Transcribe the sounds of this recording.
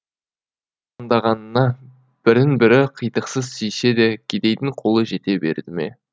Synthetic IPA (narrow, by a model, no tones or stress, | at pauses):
ɑnd̪ɑʁɑnənɑ | b̥ɪɾɪnbɪɾɪqʰəjt̪əqsəzsijse̞d̪e̞kʲʰed̪e̞jt̪ɪŋqʰo̞lˠəʒe̞t̪e̞be̞̰ɾd̪ɪmḛ